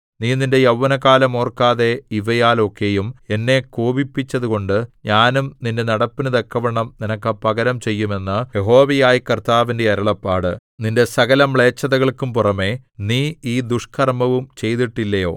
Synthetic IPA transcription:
niːninde̞jɐʋːɐnɐkaːlɐmoːrkaːðe̞iʋɐjaːlo̞kːe̞jume̞nːe̞koːbipːit͡ɕːɐðuko̞ɳɖɨɲaːnumninde̞nɐɽɐpːinɨd̪ɐkːɐʋɐɳɐmninɐkːɐpɐɡɐɾɐmt͡ɕe̞jːume̞nːɨje̞ɦo̞ːʋɐjaːjikɐrt̪aːʋinde̞ɐɾɐɭɐpːaːɽɨ̰ | ninde̞sɐɣɐlɐmɭe̞ːt͡ɕːɐðɐɣɐɭkumpurɐme̞niːiːd̪uʂkʰɐrmɐʋumt͡ɕe̞jt̪iʈːilːɐjo̞ː

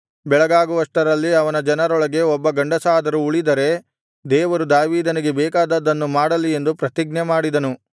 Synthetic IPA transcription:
bɛɭɐɡaːɡuʋɐsʈɐɾɐlːiɐʋɐnɐd͡ʒɐnɐɾɔɭɐɡe̞ɔbːɐɡɐɳɖɐsaːd̪ɐɾuuɭid̪ɐɾe̞ | d̪ɛːʋɐɾud̪aːʋiːd̪ɐniɡe̞bɛːkaːd̪ɐd̪ɐnːumaːɽɐlːie̞nd̪upɾɐt̪iɡ̚nɐmaːɽid̪ɐnu

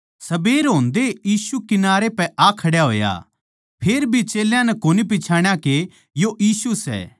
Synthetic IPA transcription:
sɐbeːɾɦõːnd̪ejiːsukɪnaːɾepɛʔakʰɐɽjaɦo̰ːja̰ | pʰeːɾbʱit͡ʃeːljãnɛkoːnip̬ɪt͡ʃʰaːɽ̃jãke | joʔjiːsusɛ̰ː

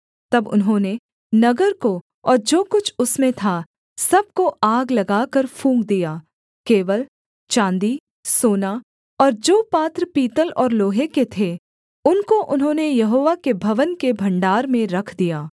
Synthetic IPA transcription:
t̪ɐbʊ̰nɦõne | nɐɡəɾko | ɔːɾd͡ʒoːkʊt͡ʃʰʊsmẽt̪ʰa | sɐb̚koaːɡlɐɡaːkəɾfʰũːŋɡd̪ijaː | keːʋəl | t͡ʃãːnd̪i | soːna | ɔːɾd͡ʒoːpaːt̪ɾəpiːt̪əlɔːɾloːɦeket̪ʰe | ʊnkoʔʊnɦõnejɐɦoːʋakebʱɐʋənkebʱɐ̃ɳɖaːɾmẽɾɐkʰd̪ijaː

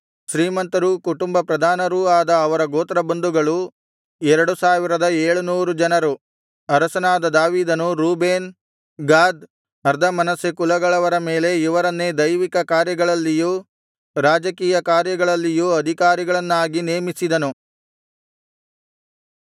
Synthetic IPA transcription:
ʃɾiːmɐnt̪ɐɾukuʈumbɐpɾɐd̪ʱaːnɐɾuːaːd̪ɐːʋɐɾɐɡoːt̪ɾɐbɐnd̪uɡɐɭu | ɛɾɐɽusaːʋiɾɐd̪ɐeːɭunuːɾud͡ʒɐnɐɾu | ɐɾɐsɐnaːd̪ɐd̪aːʋiːd̪ɐnuɾuːbeːn | ɡaːd̪ | ɐɾd̪ʱɐmɐnɐsekulɐɡɐɭɐʋɐɾɐme̞ːle̞iʋɐɾɐnːed̪ɐjʋikɐkaːɾjɐɡɐɭɐlːijuː | ɾaːd͡ʒɐkiːjɐkaːɾjɐɡɐɭɐlːijuːɐd̪ʱikaːɾiɡɐɭɐnːaːɡineːmisid̪ɐnu

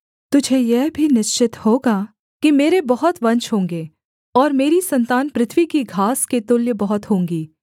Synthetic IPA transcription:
t̪ʊd͡ʒʱejɛɦbʱinɪʃt͡ʃɪt̪hoːɡa | kimeːɾebɐɦʊt̪ʋɐ̃ɲt͡ʃɦõːŋɡeː | ɔːɾmeːɾisɐ̃nt̪aːnpɾɪt̪ʰʋikiɡʱaːsket̪ʊljəbɐɦʊt̪ɦõːŋɡiː

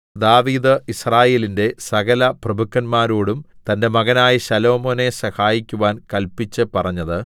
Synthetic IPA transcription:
d̪aːʋiːd̪ɨisraːje̞ːlinde̞sɐɣɐlɐprɐbʱukʰːɐnmaːɾoːɽumt̪ɐnde̞mɐɣɐnaːjiɕɐlo̞ːmo̞ːne̞sɐhaːjikʲːuʋaːnkɐlpit͡ɕːɨpɐrɐɲːɐðɨ

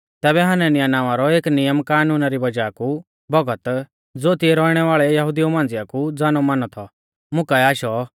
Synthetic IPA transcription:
t̪ɛːbɛɦananijanaːʋ̃aɾɔeːknɪjəmkaːnuːnaɾibɐd͡ʒaːku | bɐɡət̪ | d͡zoːt̪iɛɾɔːiɽ̃ɛʋaːɭɛjɐɦʊd̪iomãːn̆d͡zɪjakud͡zaːnɔmanɔt̪ʰɔ | mʊ̃kaɛaːʃɔ

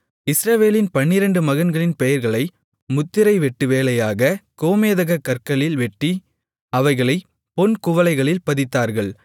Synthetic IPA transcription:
ɪsɾɐʋeːlɪnpɐɳːɪɾɐɳɖɯmɐɣɐnɡɐɭɪnpɛjɐɾɣɐɭɐɪ | mʊt̪ːɪɾɐɪʋɛʈːɯʋeːlɐjaːɣɐkoːmeːðɐɣɐkːɐɾkɐɭɪlʋɛʈːi | ɐʋɐɪɣɐɭɐɪ | pɔnkʊʋɐlɐɪɣɐɭɪlpɐðɪt̪ːaːɾɣɐɭ

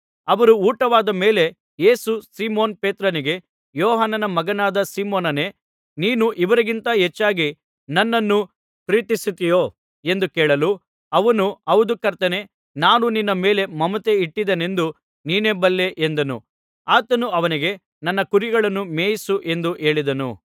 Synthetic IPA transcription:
ɐʋɐɾuuːʈɐʋaːd̪ɐme̞ːle̞ | je̞ːsusiːmoːnpeːt̪ɾɐniɡe̞ | jɔːɦanɐnɐmɐɡɐnaːd̪ɐsiːmoːnɐne̞ | niːnuʔiʋɐɾiɡint̪ɐɦet͡ʃːaːɡi | nɐnːɐnːu | pɾiːt̪isit̪ijoː | e̞nd̪ukeːɭɐlu | ɐʋɐnuɐʋud̪ukɐɾt̪ɐne̞ | naːnuninːɐme̞ːle̞mɐmɐt̪e̞iʈːid̪ene̞nd̪u | niːne̞bɐlːe̞ʔend̪ɐnṵ | aːt̪ɐnuɐʋɐniɡe̞ | nɐnːɐkuɾiɡɐɭɐnːumeːjisuʔe̞nd̪uʔe̞ːɭid̪ɐnṵ

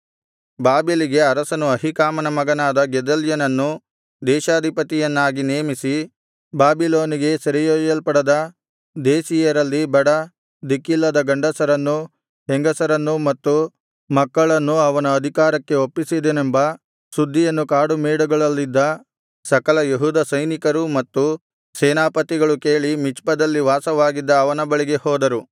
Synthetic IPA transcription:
baːbiliɡe̞ɐɾɐsɐnuɐɦikaːmɐnɐmɐɡɐnaːd̪ɐɡɛd̪ɐljɐnɐnːu | d̪ɛːʃaːd̪ʱipɐt̪ijɐnːaːɡineːmisi | baːbiloːniɡe̞sɐɾijɐjɐlpɐɽɐd̪ɐ | d̪eːsijɐɾɐlːibɐɽɐ | d̪ikilːɐd̪ɐɡɐɳɖɐsɐɾɐnːu | ɦeŋɡɐsɐɾɐnːumɐt̪ːu | mɐkːɐɭɐnːuɐʋɐnɐːd̪ʱikaːɾɐkːe̞opːisid̪enembɐ | sud̪ʱːijɐnːukaːɽumeːɽuɡɐɭɐlːid̪ːɐ | sɐkɐlɐjeɦuːd̪ɐsɐjnikɐɾumɐt̪ːu | seːnaːpɐt̪iɡɐɭukeːɭimit͡ʃpɐd̪ɐlːiʋaːsɐʋaːɡid̪ːɐːʋɐnɐbɐɭiɡe̞hɔːd̪ɐɾu

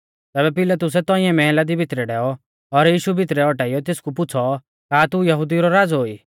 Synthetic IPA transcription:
t̪ɛːbɛpɪlat̪ʊs̬ɛt̪ɔ̃ɪɛ̃mɛɦɛlad̪ibʱɪt̪ɾɛɖɛːɔ | ɔɾjiːʃubʱɪt̪ɾɛɔʈaːijɔt̪ɪskup̬ʊt͡sʰɔ | kaːt̪ujɐɦʊd̪iɾɔɾaːd͡zɦoːiː

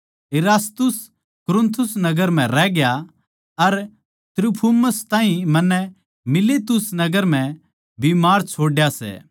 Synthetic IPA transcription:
eɾaːst̪ʊs | kʊɾʊ̃nt̪ʰʊsnɐɡəɾm̤ɛ̃ɾɛːɡja | ɐɾ | t̪ɾupʰuməst̪ãːɦĩmɐnːɛ | mɪlet̪ʊsnɐɡəɾm̤ɛ̃ | bimaːɾt͡ʃʰoːɖjasɛ̰

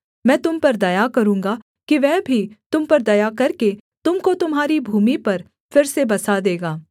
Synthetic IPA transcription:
mɛ̃ːt̪ʊmpɐɾd̪ɐjakɐɾũːŋɡa | kiʋɛːbʱit̪ʊmpɐɾd̪ɐjakɐɾket̪ʊmkot̪ʊmɦaːɾibʱuːmipɐɾ | fɪɾsebɐsad̪eːɡaː

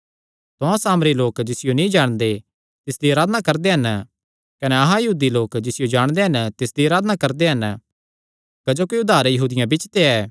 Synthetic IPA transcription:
t̪oãsaːmɾiloːkd͡ʒɪsɪjonĩd͡ʒaːɽ̃d̪e | t̪ɪsd̪iaːɾaːd̪nakɐɾd̪eɦɐn | kɐneɐɦãjɐɦuːd̪iloːkd͡ʒɪsɪjod͡ʒaːɽ̃d̪eɦɐnt̪ɪsd̪iaːɾaːd̪nakɐɾd̪eɦɐn | kɐd͡ʒokiʊd̪aːɾjɐɦuːd̪ɪjãbɪt͡ʃt̪eɛː

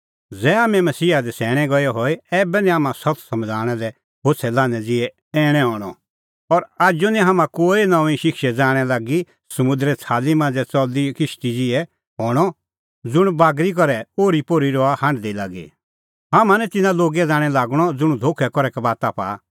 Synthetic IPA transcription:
d͡zɛːamɛ̃mɐsiːad̪ɛsɛːɽ̃ɛ̃ɡɔjɔɦoeɛːbɛnĩaːmãsɐt̪sɐ̃md͡zʱaːɽ̃ɛlɛ | ɦot͡sʰɛlãːnɛd͡zɪɛ | ɛːɽ̃ɛ̃ɦɔːɽ̃ɔ | ɔɾaːd͡ʒonĩɦamãkoːinɐ̃ĩʃɪkʰʃɛd͡zaːɽ̃ɛlaːɡi | sɐmʊ̃nd̪ɾɛt͡sʰaːlimãːnd͡zɛt͡sɔd̪ikɪʃt̪id͡zɪɛ | ɦɔːɽ̃ɔ | d͡zʊɽ̃baːɡɾik̬ɔɾɛoːɾipoːɾiɾɔahãːɳɖd̪eilaːɡḭ | ɦamãnɛ̃t̪ɪnãloːɡɛd͡zaːɽ̃ɛlaːɡɽ̃ɔd͡zʊɽ̃ũd̪ʱoːkʰɛkɔɾɛkabaːt̪apa̰ː

